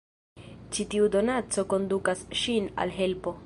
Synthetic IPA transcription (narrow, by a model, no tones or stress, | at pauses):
t͡ʃitiudo̞nat͡so̞ko̞ndukasʃina̰lɦe̞lpo̞